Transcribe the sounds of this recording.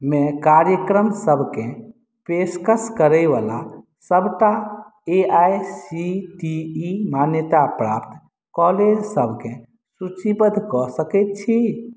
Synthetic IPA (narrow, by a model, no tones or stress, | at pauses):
mẽkaɾjəkɾəmsəbʱkẽ | peskəskəɾəjʋa̰la | səbʱʈa | eajsiʈiːmanjət̪apɾapt̪ʰ | kɔled͡ʒsəbʱkẽ | sut͡ʃibəd̪ʱkɔsəkɛt̪̚t͡ʃʰi